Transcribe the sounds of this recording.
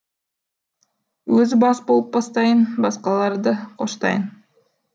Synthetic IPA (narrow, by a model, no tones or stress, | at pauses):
wɵzɪbɑsbolˠəp̚bɑst̪ɑjənbɑsqɑlˠɑɾd̪əqʰo̞ʃt̪ɑ̰jən